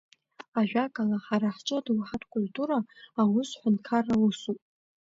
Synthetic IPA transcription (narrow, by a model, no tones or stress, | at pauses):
aʒᶣakʼalaħaɾaħt͡ʃʼɨdwħatʰkʼʊltʰʼuɾaːwʊsħʷantkʰarːausupʼ